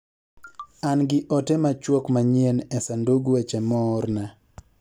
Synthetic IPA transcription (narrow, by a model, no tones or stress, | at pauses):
anɡɪʔɔtɛmat͡ʃwokmaɲiɛnɛsanduɡuwɛt͡ʃɛmɔɾna